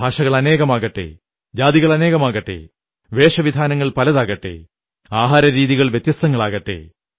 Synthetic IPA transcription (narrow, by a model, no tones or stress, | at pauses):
bʱaːʂɐɣɐɭɐne̞ːɣɐmaːɣɐʈːḛː | d͡ʑaːðiɣɐɭɐne̞ːɣɐmaːɣɐʈːḛː | ʋeːʂɐʋid̪ʱaːnɐŋːɐɭpɐlɐðaːɣɐʈːḛː | aːɦaːɾɐɾiːðiɣɐɭʋjet̪jɐst̪ɐŋːɐɭaːɣɐʈːḛː